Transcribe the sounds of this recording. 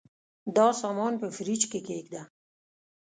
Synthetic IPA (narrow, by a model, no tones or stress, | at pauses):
d̪ɔːsɔːmɔːnpəfɾit͡ʃkekeːkd̪a